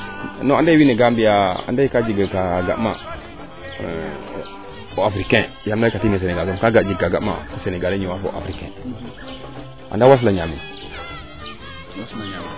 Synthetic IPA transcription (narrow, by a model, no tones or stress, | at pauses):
noandaiwineɡambijaa̰ndaikad͡ʒiɡakaɡa̰ʔma̰ | oafɾikɛ̃ | jamnakatines̬eneɡasomkaɡad͡ʒiɡkaɡa̰ma̰fuseneɡaleɲiwafoa̰fɾikɛ̰̃ | a̰dawas̬laɲamin | waslaɲami